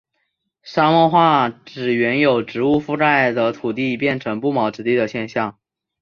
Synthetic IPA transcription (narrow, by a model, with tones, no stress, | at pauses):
ʂa˥mɔ˥˧xwa˥˩ʈ͡ʂɻ̩˨˩ɥɛ˧˥njo˨˩ʊʈ͡ʂɻ̩˧˥u˥˧fu˥ʈ͡ʂa˥˩ɪd̪ə˩t̪ʰu˨˩t̪i˥˧pjɛ˥˩nʈ͡ʂʰɤ˧˥ŋpu˥˩mɑ˧˥ʊʈ͡ʂɻ̩˧˥t̪i˥˩d̪ə˩ɕjɛ˥˧nɕjɑ˥˩ŋ